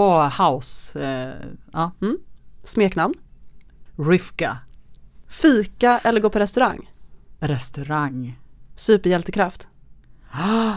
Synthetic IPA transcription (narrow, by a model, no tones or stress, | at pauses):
ohaʊs | ɑːm̩ːsmeːknamn | ɾʏfka | fiːkaʔɛlːəɾɡoːpʰɔɾɛst̪ɵɾaŋːɾɛst̪ɵɾaŋsʉ̟ːpəɾjɛlt̪əkʰɾaft̪